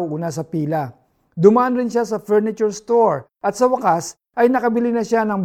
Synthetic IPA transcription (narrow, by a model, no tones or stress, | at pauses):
wʔuːnasɐpiːlɐ | d̪ʊmaʔɐnɾɪnʃasɐfɛɹnɪt͡ʃʊɹst̪oɹ | ʔɐt̪sɐwɐkas | ʔɐjnɐkɐbɪlɪnɐʃanɐŋb